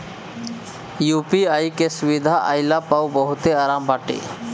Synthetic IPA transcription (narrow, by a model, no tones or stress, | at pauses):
juːpiaːjkesʊʋid̪ʱaʔajlapawbəɦʊt̪eaːɾaːmbaːʈḛː